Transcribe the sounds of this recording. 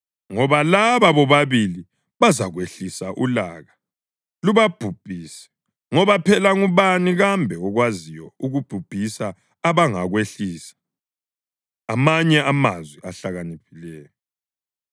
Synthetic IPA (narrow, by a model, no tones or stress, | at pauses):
ŋɔβalaβaβɔβaβili | βazaɣweɬisaʔula̰ːɣa | luβab̥ʱub̥ʱiːsɛ̥ | ŋɔβapʰɛlaɣuβaniɣambʱɛɔɣwazijɔuɣub̥ʱub̥ʱisaː | βaŋaɣweɬiːsḁ | maɲɛamazwiʔaɬaɣanipʰilɛːjɔ